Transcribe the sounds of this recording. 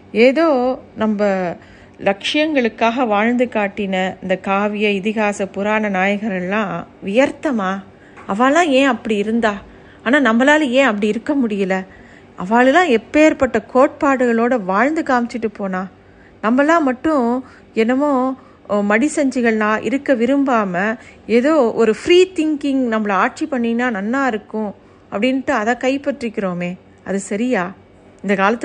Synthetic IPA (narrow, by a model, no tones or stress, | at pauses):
eːðoːnɐmbɐ | lɐkʂɪjɐŋɡɐɭɯkːaːɣɐʋaːɻnd̪ɯkaːʈːɪnɐɪnd̪ɐkaːʋɪjɐɪðɪɣaːsɐpʊɾaːnɐnaːjɐɣɐɾɐɭlãːʋɪjɐɾt̪ːɐmaː | ɐʋaːlːãːẽːɐpːɐɽiɪɾɯnd̪aː | aːnaːnɐmbɐlaːlẽːɐpːɐɽiɪɾɯkːɐmʊɽɪjɐlɐ | ʔɐʋaːɭɯlãːɛpːeːɾpɐʈːɐkoːʈ̚paːɽɯɣɐɭoːɽɐʋaːɻnd̪ɯkaːmɪt͡ʃːɪʈːɯpːoːnãː | nɐmːɐlːãːmɐʈːʊ̃ | ɛnɐmõː | mɐɽisɐɲd͡ʒɪɣɐɭnãːʔɪ̰ɾɯkːɐʋɪɾɯmbaːmɐeːðoːʔɔɾɯfɾiːt̪ɪŋkɪŋnɐmːɐɭɐaːʈ̚t͡ʃipɐɳːɪnaːnɐnːãːɪɾɯkːʊ̃ | ɐpːɐɽɪnʈːɯɐðãːkɐɪpɐʈrɪkːɪɾoːmeː | ɐðɯsɐɾɪjaː | ɪnd̪ɐkaːlɐt̪ː